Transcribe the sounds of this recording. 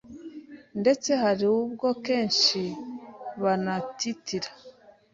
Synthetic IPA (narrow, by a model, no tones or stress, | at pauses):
nde̞t͡se̞haɾiwub̚ɡo̞ke̞ːnʃi | βanatitʰiɾḁ